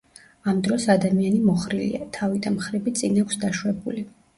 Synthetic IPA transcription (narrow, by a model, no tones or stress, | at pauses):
amd̪ɾɔsad̪amianimɔχɾilḭa̰t̪ʰavid̪amχɾibit̪sʼinakʷʰsd̪aʃwɛbuli